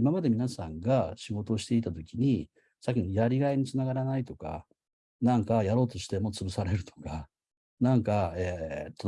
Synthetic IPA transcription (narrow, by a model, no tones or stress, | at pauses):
imamad̪e̞mʲinasãŋɡaɕiɡo̞t̪o̞ːɕi̥t̪e̞it̪at̪o̞kʲiɲ̟i | sakʲːinojaɾʲiɡaiɲ̟it͡sɨnaɡaɾanait̪o̞ka̰ | nãŋkajaɾo̞ːt̪o̞ɕi̥t̪e̞mo̞t͡sɨbɯ̟saɾe̞ɾɯ̟t̪ʰo̞̥ka | nãŋkaet̪ːo